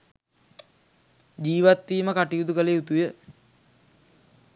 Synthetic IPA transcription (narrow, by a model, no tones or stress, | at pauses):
d͡ʑiːʋat̪ʋiːməkaʈijud̪ukəleut̪ujə